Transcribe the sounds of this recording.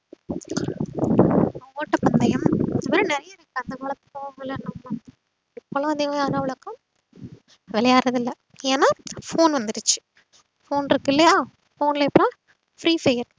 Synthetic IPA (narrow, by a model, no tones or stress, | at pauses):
oːʈːɐpɐnd̪ɐjɐmɪd̪ɐpɐɾɯnɛɾɐjaɪɾɯkːɐɐnd̪ɐkɐːɭɐt̪ːɯ̥poːmɐlːɐnːɐlɐ̃ | ɪpːoːlõɐðɪɣɐmjaːɾãːʋɪɭɐkːɐ̃ | ʋɛlɐjaːɾɐðɪlːɐ | eːnaːfoːnʋɐnd̪ɪɾɯt͡ʃːɯ̥ | foːnɪɾɯkːɪlːɐjaː | foːnlɪpːɐɽõ | fɾiːfejɐɾ